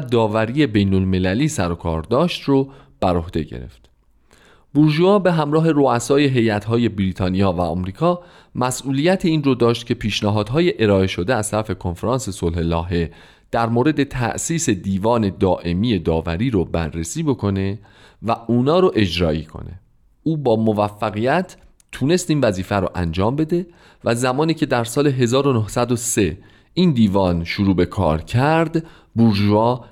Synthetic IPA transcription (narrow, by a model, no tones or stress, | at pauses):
d̪ɒːvæɾiːe̞bejnolme̞læliːsæɾo̞kʰɒ̰ːɾd̪ɒːʃt̪ro | b̥æɾo̞hd̪̥e̞̰ɟḛɾḛft̪ | b̥uɾʒuɒːbe̞ɦæmɾɒːɦe̞ɾoæsɒːje̞ɦe̞jæt̪ɦɒːje̞bɾiːt̪ʰɒːnijɒːvæɒ̰ːmɾiːkʰɒː | mæsʔuːlijæt̪ʰiiːnrod̪ɒːʃt̪cʰe̞pʰiːʃnæɦɒːd̪̥ɦɒːje̞ʔeɾɒːe̞ʃo̞d̪eæz̥t̪ʰæɾæfe̞kʰo̞nfeɾɒːnse̞solhelɒːɦe̞ | d̪̥æɾmoːɾe̞d̪e̞t̪ʰæ̰ʔsiːse̞d̪iːvɒːne̞d̪ɒːʔe̞miːje̞d̪ɒːvæɾiːɾobæ̰ɾːesiːbo̞kʰo̞ne̞ | væuːnɒːɾoʔe̞d͡ʒɾɒːiːkʰo̰ne̞̰ | uːbɒːmovæfːæɣijæt̪ʰː | uːne̞st̪iːnvæziːfæɾo̰ʔænd͡ʒɒːmbe̞d̪e̞ | væzæmɒːniːcʰed̪æɾsɒːle̞ɦe̞zɒːɾo̞nohsæd̪ose̞ | ind̪iːvɒːnʃuɾuːbe̞kʰɒ̰ːɾcʰæɾd̪ | buɾʒɒː